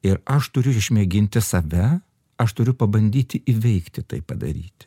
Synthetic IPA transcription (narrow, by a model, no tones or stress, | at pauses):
ɪɾɐʃt̪ʊɾʲʊɪʃʲmʲeɛɡʲɪnʲt̪ʲɪsɐʋʲɛ | ɐʃt̪ʊɾʲʊpɐbɐnʲd̪ʲiːt̪ʲɪʔiʋʲɛɪkt̪ʲɪt̪ɐ̰ɪpɐd̪ɐ̰ɾʲiːt̪ʲɪ̥